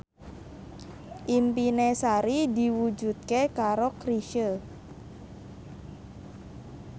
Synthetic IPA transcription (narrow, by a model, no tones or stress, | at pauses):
ʔimpinesaɾid̪i̤wud͡ʒṳt̪̚kekaɾokɾiʃə